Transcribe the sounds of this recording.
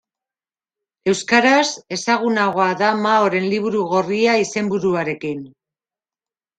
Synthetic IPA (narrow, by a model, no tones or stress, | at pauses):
e̞wskaɾase̞saɣ̞unaɣ̞o̞aðamao̞ɾe̞nliβ̞uɾuɣo̞riaise̞mbuɾuaɾe̞kin